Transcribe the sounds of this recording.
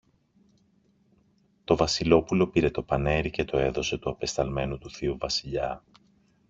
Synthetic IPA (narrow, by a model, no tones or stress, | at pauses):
t̪o̞vɐsilo̞pulo̞piɾe̞t̪o̞pɐne̞ɾice̞t̪o̞e̞ðo̞se̞t̪uɐpe̞st̪ɐlme̞nut̪uθiuvɐsiʎɐ